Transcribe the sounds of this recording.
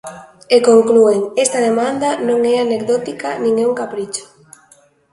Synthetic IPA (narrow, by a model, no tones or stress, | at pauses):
ekoŋklueŋest̪ɐðemand̪anõŋɛanek̚ðɔt̪ikanĩŋɛuŋkapɾit͡ʃo̥